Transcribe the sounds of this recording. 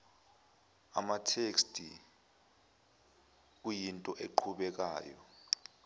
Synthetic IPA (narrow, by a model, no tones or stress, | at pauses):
a̰matʰekstʼi | k̬ʼujintʼɔʔeǃʰuɓɛk̬aːjɔ̰